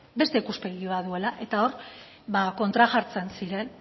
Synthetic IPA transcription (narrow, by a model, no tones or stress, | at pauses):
be̞st̪e̞ikuspe̞ɣioaðue̞laʔe̞t̪ao̞ɾ | bako̞nt̪ɾaʝaɾt͡se̞nsiɾe̞n